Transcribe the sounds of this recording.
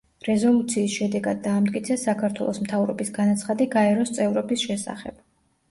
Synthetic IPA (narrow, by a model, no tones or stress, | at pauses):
ɾɛzɔlˠut̪sʰiːsʃɛd̪ɛɡad̪̚ːaːmt̪ʼkʼit̪sʰɛsakʰaɾt̪ʰwɛ̰lˠɔsmt̪ʰavɾɔ̰bisɡanat̪sʰχad̪iɡaɛɾɔst̪sʼɛvɾɔbisʃɛsa̰χɛ̰b̥̚